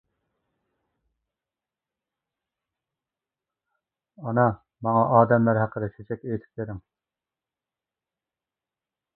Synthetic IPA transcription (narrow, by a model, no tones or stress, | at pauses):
ɑnɑ | mɑŋɑʔɑːd̪ɛmlæɾɦæqʰəd̪ɛt͡ʃʰet͡ʃʰɛkʲejt̪ʰɪ̥p̚t̪eɾɪŋ